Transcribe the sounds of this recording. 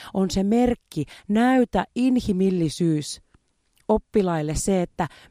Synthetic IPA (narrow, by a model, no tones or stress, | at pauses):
onseme̞rkːinæyt̪æʔinhimilːisyːs | opːilɑilːesseet̪ːæ